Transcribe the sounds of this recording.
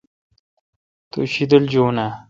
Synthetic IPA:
t̪o̰ɕid̪əld͡ʑoːna

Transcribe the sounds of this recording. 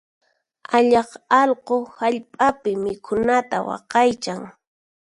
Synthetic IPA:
aʎɑqɑlqohaʎpʼapɪmɪkʰʊnat̪a̰wɑ̰qɑjt͡ʃaŋ

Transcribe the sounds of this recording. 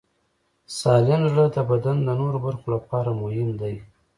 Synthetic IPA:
sɑlɪnʒɽəd̪əbad̪and̪ənoɾobaɾxolapɑɾamʊhɪmd̪aj

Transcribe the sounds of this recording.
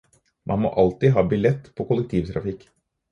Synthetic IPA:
mʔɑ̰nmo̰ːʔɑlt̪iɦɑːbɪlɛt̪ːpʰɔːkʊlɛk̚t̪ʰiːʋt̪ʰɾɑ̰fɪkː

